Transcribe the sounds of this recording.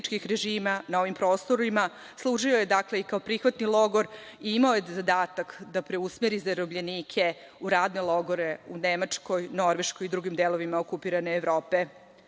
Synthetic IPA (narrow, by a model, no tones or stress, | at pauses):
t͡ʃkixɾeʒiːmanao̞ʋimpɾo̞ːst̪o̞ɾima | slˠuʐioje̞d̪akle̞ikao̞pɾixʋat̪nilˠo̞ɡo̞ɾiimaoje̞zad̪aːt̪akd̪apɾe̞usmeɾizaɾobʎeniːkʰe̞ | uɾaːd̪ne̞lˠo̞ɡo̞ɾe̞unemat͡ʂko̞jno̞ɾʋe̞ʃko̞jid̪ɾuɡimd̪eːlˠo̞ʋimaokupiɾane̞ːʋɾo̞ːpe̞